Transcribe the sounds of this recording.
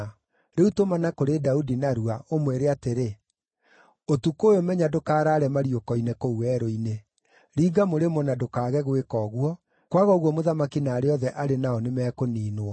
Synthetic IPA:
ɾeutomanakoɾedaudinaɾuaomweɾeateɾe | otukoːjomɛɲadokaːɾaːɾɛmaɾjokɔinekouwɛɾoine | ɾiːɡamoɾemɔnadokaːɣɛɣwekɔːɣwɔ | kwaɣɔɣwɔmoðamakinaːɾeɔðɛʔaɾenaɔnemɛkoniːno

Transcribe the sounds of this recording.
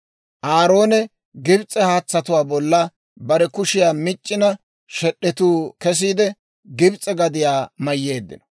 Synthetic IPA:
ʔaːɾo̞ːnɛ | ɡɪbt͡sʼːɛhaːt͡sːɐt̪ʊwaːbɔlːɐ | bɐɾɛkʊʃɪjaːmɪt͡ʃʼːɪnɐ | ʃɛɗːɛt̪uːkɛs̬iːd̪ɛ | ɡɪbt͡sʼːɛɡɐd̪ɪjaːmɐjːe̞ːd̪ːɪ̰nɔ̥

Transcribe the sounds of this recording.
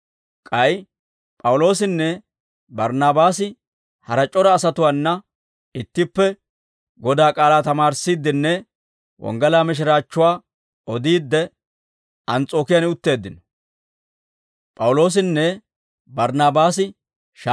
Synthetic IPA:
kʼɐj | pʼɐwʊlo̞ːsɪnːɛ | bɐɾnaːbaːsɪ | hɐɾɐt͡ʃʼɔɾɐːsɐt̪ʊwaːnːɐ | ɪt̪ːɪpːɛ | ɡɔd̪aːkʼaːlaːt̪ɐmaːɾsiːd̪ːɪnːɛ | wʔɔ̰ŋɡɐlaːmɪʃ̬ɪɾaːt͡ʃːʊwaː | ɔd̪iːd̪ːɛ | ɐnt͡sʼo̞ːkɪjanɪʊt̪ːe̞ːd̪ːɪnɔ̥ | pʼɐwʊlo̞ːs̬ɪnːɛ | bɐɾnaːbaːsɪ | ʃ

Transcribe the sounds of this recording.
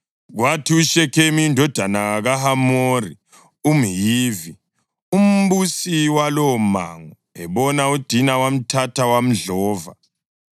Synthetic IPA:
ɣwatʰiuʃɛkʰemiːndʱɔd̥ʱanaaɣaɦamori | um̩jiːvi | um̩busiwalɔma̰ŋɔ | ɛβɔnaud̥ʱinawam̩tʰatʰawam̩ɮɔːva̰

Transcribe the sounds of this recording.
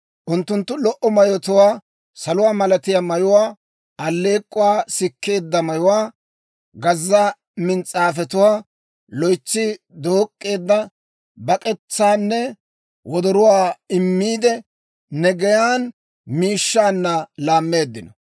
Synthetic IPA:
ʔʊnt̪ːʊnt̪ːʊlɔʔɔmɐjɔt̪ʊwaː | sɐlʊwaːmɐlɐt̪ɪjamɐjʊwaː | ɐlːe̞ːkʼːʊwaːsɪkːe̞ːd̪ːɐmɐjʊwaː | ɡɐzːa | mɪnt͡sʼaːfɛt̪ʊwaː | lɔjt͡ʃːɪ | d̪oːkʼːe̞ːd̪ːɐ | bɐkʼɛt͡sːaːnːɛ | wɔd̪ɔɾʊwaːɪmːiːd̪ɛ | nɛɡɛjaːn | miːʃːaːnːɐlaːmːe̞ːd̪ːɪnɔ

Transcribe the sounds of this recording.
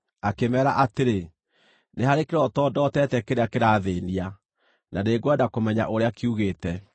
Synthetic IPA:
akemɛːɾaʔateɾe | nehaɾekeɾɔtɔdɔtɛtɛkeɾeakeɾaːðeːnia | naneɡwɛdakomɛɲa̰ʔoɾeakiuɣeːtɛ

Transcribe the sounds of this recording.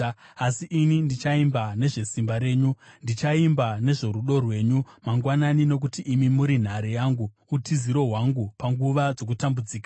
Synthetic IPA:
asiʔinindit͡ʃaimbane̞ʐe̞simbaɾe̞ːɲundit͡ʃaimbane̞ʐo̞ɾuɗo̞rwe̞ːɲumaŋɡwananino̞k̬utiʔːmimuɾin̤aɾejaːŋɡuːtʰiziɾo̞ɦwaŋɡupaŋɡuʋad͡zo̞k̬utambud͡ziːkḁ

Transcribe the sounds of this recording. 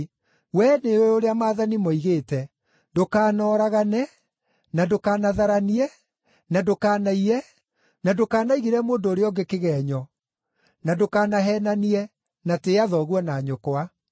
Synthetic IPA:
wɛneweoɾeamaːðanimɔiɣeːtɛ | dokaːnɔːɾaɣanɛ | nadokaːnaðaɾaniɛ | nadokaːnaiɾɛ | nadokaːnaiɣeɾɛmoːndoːɾeɔɡekeɣɛːɲɔ | nadokanaɦɛːnaniɛ | nateaðɔɣwɔnaːɲokoa

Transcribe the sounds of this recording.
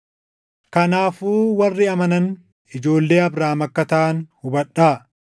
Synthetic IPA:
kɐnaːfuːwɐrːɪɐmɐnɐn | ɪd͡ʒo̞ːlːeːɐbɾaːmɐkːɐt̪ɐʔɐnhʊbɐᶑːaː

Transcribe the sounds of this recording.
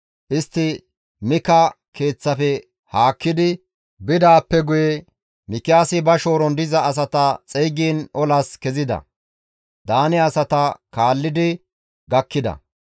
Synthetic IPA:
ʔɪst̪ːɪ | mɪkɐ | ke̞ːt͡sːɐfɛ | haːkːɪd̪ɪ | bɪd̪aːpːɛɡʊjɛ | mɪkːɪaːsɪbɐʃo̞ːɾɔnd̪ɪzɐːs̬ɐt̪ɐt͡sʼɛjɡiːnɔlɐskɛzɪd̪ɐ̰ | d̪aːnɛɐsɐt̪ɐkaːlːɪd̪ɪ | ɡɐkːɪd̪ɐ̰

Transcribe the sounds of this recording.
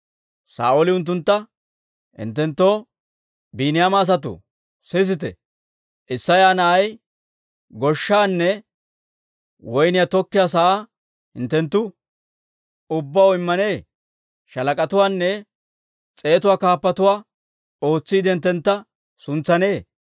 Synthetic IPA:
sa̰ːʔolɪʊnt̪ːʊnt̪ːɐ | hɪ̰nt̪ːɛnt̪ːo̞ː | biːnɪjaːmaːs̬ɐt̪̬ʊ̰ | sɪs̬ɪt̪ɛ̰ | ʔɪsːɐjaːnɐʔɐj | ɡɔʃːaːnːɛ | wɔjnɪjat̪ɔkːɪjaːs̬aaː | hɪ̰nt̪ːɛnt̪ːʊ | ʊbːɐwɪmːɐne̞ː | ʃɐlɐkʼɐt̪ʊwaːnːɛ | t͡sʼe̞ːt̪ʊwaːkaːpːɐt̪ʊwaː | o̞ːt͡sːiːd̪ɪnt̪ːɛnt̪ːɐ | sʊnt͡sːɐne̞ː

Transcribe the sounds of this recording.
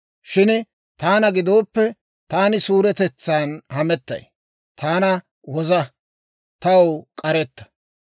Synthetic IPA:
ʃɪn | t̪aːnɐɡɪd̪o̞ːpːɛ | t̪aːnɪsuːɾɛt̪ɛt͡sːaːnhɐmɛt̪ːɐ̰j | t̪ʰaːnɐ | wɔzɐ | t̪ɐwkʼɐɾɛt̪ːɐ̥

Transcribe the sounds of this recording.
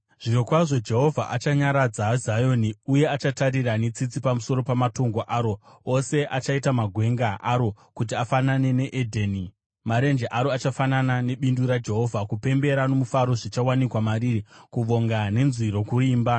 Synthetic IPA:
ʐ̥iɾokwaʐo̞d͡ʒe̞ɦo̞vʱaʔat͡ʃaɲaɾad͡zaːzajo̞niuje̞at͡ʃataɾiranet͡sit͡sipamuso̞ɾo̞pamato̞ŋɡoʔaɾo̞ose̞ʔat͡ʃaitamaɡʱwe̞ŋɡaʔaɾo̞ | kut̬iafanane̞ne̞ʔedʱeni | maɾe̞nd͡ʒeʔaɾo̞at͡ʃafananane̞ɓinduɾad͡ʒe̞ɦo̞vʱakupe̞mbe̞ɾano̞mufaɾo̞ʐit͡ʃawanikwamaɾirikuʋo̞ŋɡane̞nzwiɾo̞kuriːmba

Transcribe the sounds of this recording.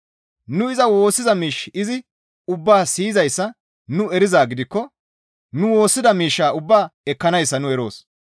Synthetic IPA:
nʊɪzɐwo̞ːsːɪzɐmiːʃɪzɪ | ʊbːaːsiːzɐjsːɐ | nʊɛɾɪzaːɡɪd̪ɪkːɔ | nʊwo̞ːsːɪd̪ɐmiːʃːaːʊbːaːɛkːɐnɐjsːɐnʊɛɾo̞̰ːs

